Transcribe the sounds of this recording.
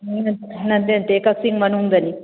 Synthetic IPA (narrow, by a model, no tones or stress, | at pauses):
nɐnt̪ | nɐnd̪ent̪ekɐksiŋɡmɐnund̪ɐni